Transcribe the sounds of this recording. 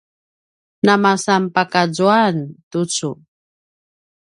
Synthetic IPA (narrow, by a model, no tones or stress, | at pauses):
namasampakazuantut͡su